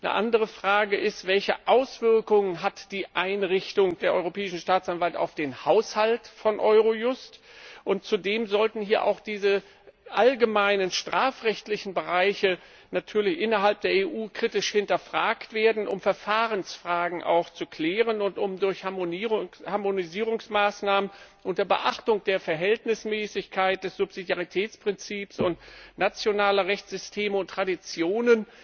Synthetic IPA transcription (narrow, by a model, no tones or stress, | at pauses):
nə̰ʔa̰ndəʁ̞əfʁ̥aːɡəʔɪstv̥ɛlçəʔaʊsv̥ɪɐkʊŋənɦatd̥iːʔaɪnʁɪçtʊŋd̥eːɐʔɔʏʁopɛːɪʃn̩ʃtaːt͡sanvalta̰ʊfd̥eːnhaʊshaltfɔnʔɔʏʁojʊstʔʊntt͡sudeːmzɔltn̩hiːɐʔa̰ʊxd̥iːzə | ʔalɡəmaɪnənʃtʁ̥aːfʁɛçtlɪçn̩bəʁaɪçə | natʰyːɐlɪçʔɪnɐɦalp̚d̥eːɐeːʔuːkʁ̥itɪʃhɪntɐfʁ̥aːktv̥eːɐdn̩ʔʊmfɛɐfaːʁənsfʁ̥aːɡŋ̩ʔa̰ʊxt͡sukl̥ɛːʁənʊntʔʊmdʊɐçhmohaɐmoniziːʁʊŋsmaːsnaːmənʔʊntɐbə̰ʔaχtʊŋd̥eːɐfɛɐɦɛltnɪsmɛːsɪçkʰaɪt̚d̥ɛsz̥ʊpz̥idjaʁitʰɛːt͡spʁ̥ɪnt͡siːpsʊntnat͡sjonaːlɐʁɛçt͡sz̥ʏstʰeːməʊntʰːʁ̥adit͡sjoːnən